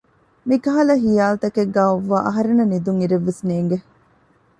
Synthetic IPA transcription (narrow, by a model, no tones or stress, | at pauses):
mikɐɦɐlɐɦijaːlt̪ɐkeɡːaːoʋːaːʔɐɦɐɾenɐnid̪uŋiɾeʋːesneːŋɡe